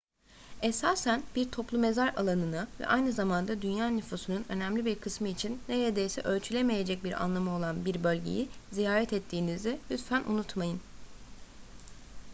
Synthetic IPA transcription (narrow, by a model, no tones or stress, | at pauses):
esaːsænb̥iɾt̪ʰo̞plˠume̞zaɾa̰lˠanɯnɯvɛ̰ʔajnɯzamand̪ad̪ynjaːnyfusununø̞̰næmlʲibiɾkʰɯsmɯit͡ʃʰinːeɾeed̪ejsɛʔø̞lʲt͡ʃʰylʲe̞me̞je̞d͡ʒɛc̚biɾa̰nlˠamɯo̞lˠanbiɾbø̞lʲɟḛjizijaːɾɛt̪ɛt̪ʰːiːnizd̪ɛhyt̪fænʔṵnut̪majɯn